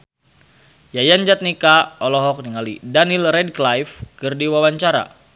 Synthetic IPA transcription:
jajand͡ʒat̪̚nikaɔlɔɦɔk̚niŋalidanilrɛd̚klajfkɨrdiwawaɲt͡ʃaɾa̰

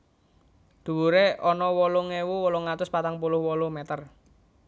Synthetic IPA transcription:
d̪̥ṳwuɾeʔɔnɔwɔluŋewuwɔluŋat̪ʊspat̪aŋpulʊhwɔlumɛt̪ər

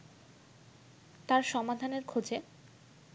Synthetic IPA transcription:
t̪aɾʃɔmad̪ʱaneɾkʰod͡ʑe

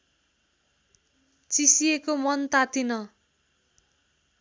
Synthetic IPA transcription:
t͡sisiekomʌnt̪at̪inʌ

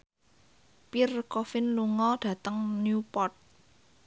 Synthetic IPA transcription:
pirkɔfɪnluŋɔɖ̥ä̤t̪əŋnjupɔrt̪̚

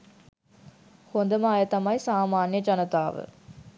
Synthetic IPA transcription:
hond̪ɐmaːjɐt̪ɐmɐjsaːmaːnjɐd͡ʒɐnɐt̪aːʋɨ̰

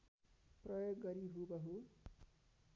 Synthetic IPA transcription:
prʌjoɡːʌɾiɦubʌɦu

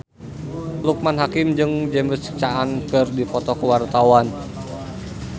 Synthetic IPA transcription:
luk̚manɦakɪmd͡ʒɨŋd͡ʒɛmbəsə̥k̚t͡ʃaʔankɨrdipɔt̪ɔkəwart̪awan

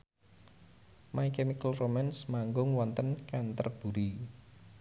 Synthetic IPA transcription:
maikɛmikəlromansmaŋɡʊŋwɔnt̪ənkant̪ərb̥ṳɾi

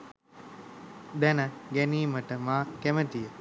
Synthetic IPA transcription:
d̪ɛnəɡɛniːməʈəmaːkemət̪ijə

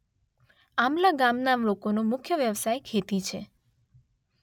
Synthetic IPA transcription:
amlaɡamnamlokonomʊkʰjəʋjəʋsajkʰet̪it͡ʃʰe

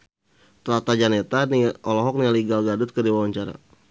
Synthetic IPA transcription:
t̪lat̪ad͡ʒanet̪aniɔlɔɦɔk̚nialiɡalɡadʊt̪̚kədiwawaɲt͡ʃaɾa̰

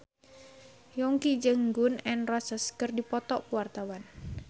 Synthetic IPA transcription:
jɔŋkid͡ʒəŋɡunɛnrɔsəskɨrdipɔt̪ɔʔpəwart̪awan

